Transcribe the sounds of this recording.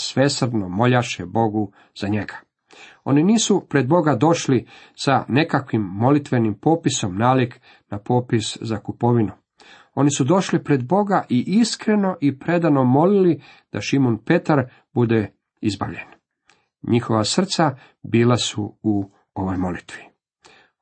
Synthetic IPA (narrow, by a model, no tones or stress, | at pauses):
sʋe̞sr̩d̪nomo̞ʎaʃebo̞ɡu | z̥aɲe̞ɡḁ | o̞̰niniːsupɾe̞d̪bo̞ɡad̪o̞ʃlisane̞kakʋimːo̞lit̪ʋe̞nimpo̞piso̞mnaːlik | napo̞ːpiszakupo̞ʋinu | o̞nisud̪o̞ʃlipɾe̞d̪bo̞ɡaʔiʔiskɾe̞no̞ʔipɾe̞d̪ano̞mo̞lili | d̪̥aʃimonpe̞t̪aɾ | bud̪e̞ | izba̰ʋʎen | ɲixo̞ʋasr̩t̪sa | biːlasuu | oʋojmo̞lit̪ʋi̥